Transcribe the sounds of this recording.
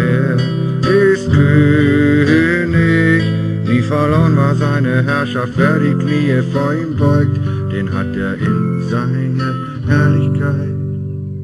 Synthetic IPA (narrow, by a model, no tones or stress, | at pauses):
eː | ʔɪstkʰøː | nɪ | viːfɛɐlɔnvaːɐzaɪnəɦɛɐʃaftv̥eːɐdiːkniːəfoɔːɐiːmbɔʏk̚td̥eːnɦa̰t̚deːɐʔɪ̰nzaɪnə | hɛɐlɪçkʰaɪt̚